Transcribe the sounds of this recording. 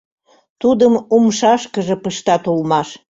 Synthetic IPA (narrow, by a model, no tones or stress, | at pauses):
t̪ud̪əmumʃɑʃkəʒĕpəʃt̪ɑt̪ulmɑʃ